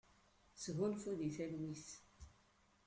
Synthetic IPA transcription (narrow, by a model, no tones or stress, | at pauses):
sɣunfuðiθælwis